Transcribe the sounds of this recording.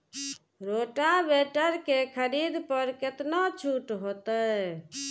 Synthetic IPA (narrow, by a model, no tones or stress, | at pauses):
ɾoʈabeʈəɾkekʰəɾid̪pəɾket̪not͡ʃʰuʈɦot̪ə